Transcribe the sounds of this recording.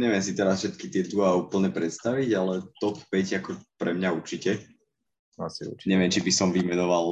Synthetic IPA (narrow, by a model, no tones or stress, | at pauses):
ɲɛʋɪɛmsit̪ɛɾasfʃɛt̪kit̪ɪɛd̪uauːpl̩ɲɛpɾɛt̪st̪aʋiɟalɛt̪ɔpɛcakɔpɾɛmɲauɾt͡ʃicɛ | asiṵɾt͡ʃɲɛʋɪɛmt͡ʃibisɔmʋimɛnɔʋal